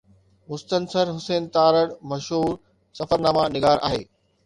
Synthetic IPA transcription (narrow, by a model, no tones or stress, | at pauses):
mʊst̪ənsəɾɦʊseːnt̪aːɾəɽmɐʃɦuːɾ | sɐfəɾnaːmanɪɡaːɾʔa̰ːɦḛː